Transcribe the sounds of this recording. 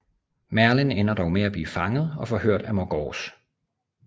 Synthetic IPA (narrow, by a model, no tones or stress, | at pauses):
mæɐlenenɐd̥ɒʊmeæb̥liːfɑ̈ŋəð̞̩ˠɒ̽fɒhøɐ̰d̥æmɒɡ̥ɒ̰ːs